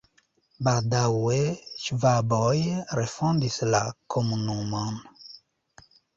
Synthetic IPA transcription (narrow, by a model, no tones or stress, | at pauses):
badawweʃvabɔjɾefɔ̃nd̪islakʰomunumɔ̃n